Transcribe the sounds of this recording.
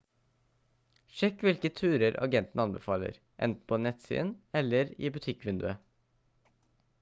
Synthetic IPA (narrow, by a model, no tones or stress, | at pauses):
ʃɛkːʋɪlkət̪ʰʉːɾəɾɑ̰ɡɛnt̪n̩ɑnbɛfɑːlə̰ɾ | ʔɛ̰nt̪n̩pʰoːnɛt̪sḭːnɛlːəɾḭːbʉt̪ʰɪkʋɪnd̪ʉə